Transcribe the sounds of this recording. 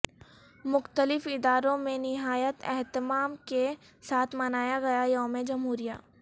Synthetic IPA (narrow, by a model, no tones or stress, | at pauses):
mʊxt̪əlɪfɪd̪aːɾõmẽnɪɦaːjət̪ɛ̰ɦt̪ɪmaːmke | saːt̪ʰmɐnaːjaɡɐjajɔːmed͡ʒɐmɦuːɾija̰ː